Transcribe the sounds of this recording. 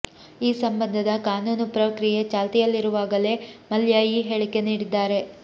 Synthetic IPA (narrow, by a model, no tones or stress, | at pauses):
iːsɐmbɐnd̪ʱɐd̪ɐkaːnuːnupɾɐkɾije̞t͡ʃaːlt̪ijɐlːiɾuʋaːɡɐle̞mɐljajiːɦeːɭike̞niːɽid̪ːaːɾe̞